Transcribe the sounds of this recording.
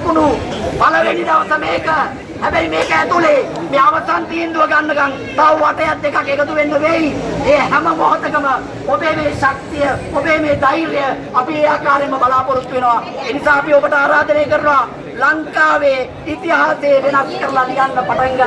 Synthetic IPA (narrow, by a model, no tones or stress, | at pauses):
kunubaləʋenid̪aʋɐsəmejkə | hɛbɛimeːkəɛt̪ule | meːaʋəsant̪iːend̪uʋəɡanːəɡaŋ | t̪auʋaʈɐjat̪̚ːekakːekət̪uʋenːəʋeieːɦæməmoɦot̪əkəmə | obeːmeːʃak̚t̪ijəobeːmeːd̪aiɾejə | apieːaːkaːɾeməbalaːpoɾut̪ːuʋenoʋa | eːnisaːpiobəʈəaːɾaːd̪əneːkəɾənʋa | laŋkaːʋeː | it̪iɦaːseːʋenaskəɾɐlad̪iɡanːəpaʈaŋɡə